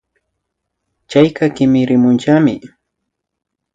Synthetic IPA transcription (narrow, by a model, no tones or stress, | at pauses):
t͡ʃajkɑkɪmɪɾɪmʊnt͡ʃamɪ